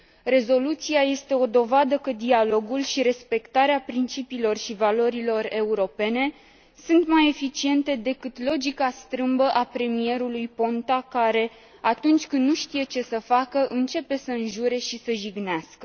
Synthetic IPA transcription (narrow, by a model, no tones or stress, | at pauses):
re̞zo̞lut̪siaje̞st̪e̞o̞d̪o̞vad̪əkəd̪ialo̞ɡulʃiɾe̞spe̞kt̪aɾeapɾint͡ʃipiːlo̞rʃivalo̞ɾilo̞re̞uɾo̞pe̞ne̞ | sunt̪maje̞fit͡ʃie̞nt̪e̞d̪e̞kɨt̪lo̞d͡ʒikast̪ɾɨmbəʔapɾe̞mije̞ɾulujpo̞nt̪akaɾe̞ | at̪unt͡ʃʲkɨnd̪ːnuʃt̪ije̞t͡ʃe̞səfakəʔɨnt͡ʃe̞pe̞səɨnʒuɾe̞ʃisəʒiɡneaskə